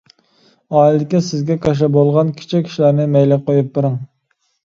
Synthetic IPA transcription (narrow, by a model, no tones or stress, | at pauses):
ɑːlɪd̪ɪkʲisɪzɡʲɛkʰɑʃ̬ɛbolˠʁɑnkʲʰi̥t͡ʃʰɛkʲʰːi̥ʃlæɾnɨmɛjlɪqʰojup̚bɨɾɨŋ